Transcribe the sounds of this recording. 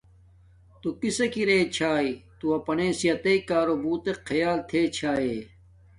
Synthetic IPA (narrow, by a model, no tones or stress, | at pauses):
t̪ukisekiɾeːt͡ɕʰaːit̪uɐpɐneːsijɐt̪eikaːɾobuːt̪eqʰːɐjaːlt̪ʰeːt͡ɕʰaːe